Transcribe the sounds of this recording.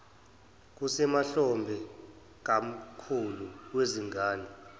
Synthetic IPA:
k̬usɛmaɬɔmbʱɛ | k̬am̩kʰuluweziŋaːni

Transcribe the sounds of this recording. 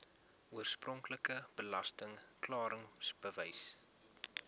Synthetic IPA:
uərsprɔŋkləkəb̥əlɐstəŋklɑːɾəŋsb̥əvəjs

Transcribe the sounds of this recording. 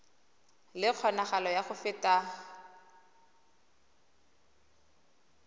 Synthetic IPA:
lɪq͡χʰɔnaχalɔjaχʊfɪta

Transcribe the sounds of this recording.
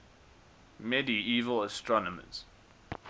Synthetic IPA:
mɛdiiːvələstɹɔnəmə̰z̥

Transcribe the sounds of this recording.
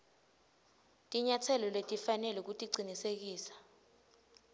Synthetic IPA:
tʼiɲatʰɛlɔletʼifanɛluk̬utʼiɡ͡ǀʱinisek̬iːsḁ

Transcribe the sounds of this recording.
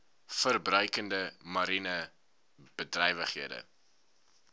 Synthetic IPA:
fərbrœɥkəndəmɐɾinə | b̥ədrɛjvəχɦiədə̰

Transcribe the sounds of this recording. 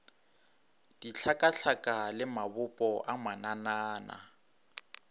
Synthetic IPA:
d̥iɬʰakʼaɬʰakʼalɪmabʊpʼɔʔamananaːna̰

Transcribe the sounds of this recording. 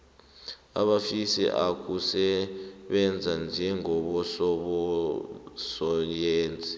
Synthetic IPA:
a̰ɓafisḭʔak̬ʰʼusɛɓɛnd͡zʱand͡ʒʱɛŋɔɓɔsɔɓɔ | sɔjeːnd͡zʱi

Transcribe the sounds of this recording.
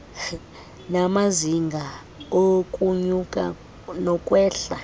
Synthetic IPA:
namaziŋɡʱa | okʼuɲukʼa̰ | nɔkʼwɛːɬa

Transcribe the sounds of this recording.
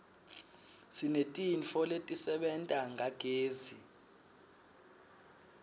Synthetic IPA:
sinetʼinfɔletʼisɛɓɛntʼaŋʱaɡ̥ʱeːzi

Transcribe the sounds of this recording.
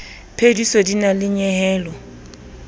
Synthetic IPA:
pʰedisɔdinalɪɲɛɦɛːlɔ

